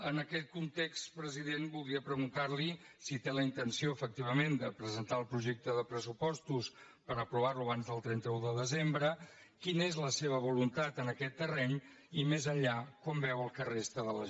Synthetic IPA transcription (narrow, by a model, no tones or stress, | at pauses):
ənəkɛt̪̚kunt̪ekst̪pɾəziðenbulˠd̪ɾiəpɾəɣunt̪aɾli | sit̪eləint̪ənsioəfək̚t̪iβ̞əmend̪əpɾəzənt̪aəlˠpɾuʒɛk̚t̪əðəpɾəsupɔst̪us | pəɾəpɾuβaɾluəβanzðəlˠt̪ɾɛnt̪əuðəðəzembɾə | kinəezləseβ̞əβ̞ulunt̪at̪ənəkɛt̪ːərɛɲ | imezəʎakɔmbɛwəlˠkərest̪əðələ